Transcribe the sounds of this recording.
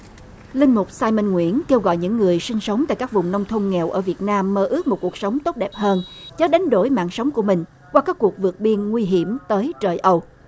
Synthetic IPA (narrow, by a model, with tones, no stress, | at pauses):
lï˧ŋ̟mʊ˨˩k͡p̚saː˧jmə˧nŋwḭ˧˥ənke˧wɣɔ̰˧˨jɲɨ̰˧˥ŋːɨ˨˩əjsï˧ŋ̟sə˨˦wŋ͡mt̪a̰ː˧˨jkaː˦˥k̚vʊ˨˩ŋ͡mnə˧wŋ͡mt̪ʰə˧ŋ͡mŋɛ˨˩wʔəː˧˩vi˨˩ət̚naː˧mːəː˧ʔɨ˦˥ək̚mo˨˩t̚ku˨˩ək̚sə˨˦wŋ͡mt̪o˦˥t̚ɗɛ˨˩p̚həː˧nt͡ɕɔ˨˦ɗa˨˦jŋ̟ɗo̰˧˩jma̰ː˧˨ŋsə˨˦wŋ͡mku˧˩əmï˨˩ŋ̟ | kwaː˧kaː˦˥kːu˨˩ək̚vɨ˨˩ək̚ɓi˧ənŋwi˧ɦi˧˩əmt̪əː˨˦jt͡ɕəː˨˩jʔə˧w